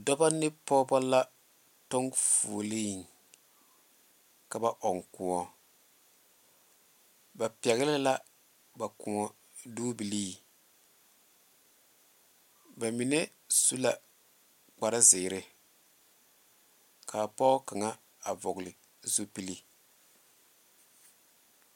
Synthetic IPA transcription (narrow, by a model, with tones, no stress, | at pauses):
dɔ˦ba˦nɪ˦pɔː˦bɔ˦la˦ | tɔ˦ŋfṵ˨liː˦˨ŋ | ka˨ba˦ʔɔ˨ŋkʊ˨ɔ˦ | ba˨pi˨ɛ˨ɣɪ˦lɪ˦la˦ | ba˨kʊ˨ɔ˦ | duː˦bi˨liː˦ | ba˨mi˨nɛ˦ | su˦la˨ | k͡pa˨ɾa˦zɪ˨ɾɪ˦ | kʰa˨pɔ˦ka˨ŋa˦ | a˨vɔ˨ɡlɪ˨ | zu˦pi˦li˦